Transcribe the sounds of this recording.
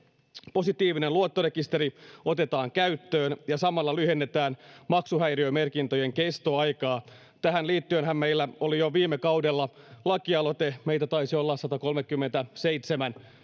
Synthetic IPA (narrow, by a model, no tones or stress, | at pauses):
po̞sit̪iːʋinenluot̪ːorekist̪e̞ɾio̞t̪e̞t̪ɑːŋkæyt̪ːøːnjɑsɑmɑlːɑlyhe̞nːet̪æːnmɑksuhæjriøme̞rkint̪ojeŋkest̪oɑjkɑː | t̪æɦænliːt̪ːyønɦæmmeilːæolijoʋiːmːekɑwdelːɑ | lɑkiɑlot̪eme̞it̪æt̪ɑisio̞lːɑsɑt̪ɑko̞lmekːymːent̪æseit̪semæn